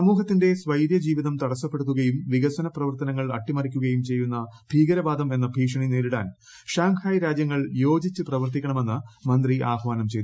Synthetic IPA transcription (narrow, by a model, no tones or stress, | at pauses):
sɐmuːɦɐt̪ːinde̞sʋɐjɾjɐd͡ʑiːʋiðɐmt̪ɐɽɐsːɐpːe̞ɽut̪ːuɣɐjumʋiɣɐsɐnɐprɐʋɐrt̪ɐnɐŋːɐɭɐ̰ʈːimɐrikʲːuɣɐjumt͡ɕe̞jːunːɐb̥ʱiːɡɐɾɐbaːd̪ɐme̞nːɐbʱiːkʂɐɳineːɾiɽa̰ːn | ʂaːŋkʰaːjɾaːd͡ʑjɐŋːɐɭjo̞ːd͡ʑit͡ɕːɨprɐʋɐrt̪ikʲːɐɳɐme̞nːɨmɐnd̪riʔaːbʱʋaːnɐmt͡ɕejt̪